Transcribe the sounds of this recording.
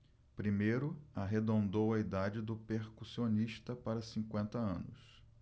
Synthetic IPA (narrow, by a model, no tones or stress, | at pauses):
pɾimejɾʊaɦed̪õnd̪owɐid̪ad͡ʒɪd̪ʊpeɾkusioniʃt̪ɐpaɾɐsĩŋkwẽnt̪ɐɐ̰̃nʊs